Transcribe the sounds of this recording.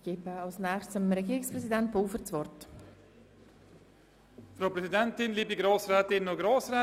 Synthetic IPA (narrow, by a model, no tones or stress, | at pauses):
ɡ̥eːbəɑlsnɛːχst͡səmɾɛɡiːɾɪkspɾɛsidɛntv̥ɔlfəɾt͡svɔrt | fɾaʊpɾɛsidɛntɪnliːbiɡɾoːsɾɛːt̪ɪnːʊɡɾoːsɾɛ